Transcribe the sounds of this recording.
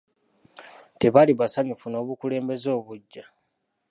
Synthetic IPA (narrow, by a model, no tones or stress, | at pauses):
te̞βaliβasaɲufuno̞ːβukule̞ːmbe̞zo̞ːβuɟːa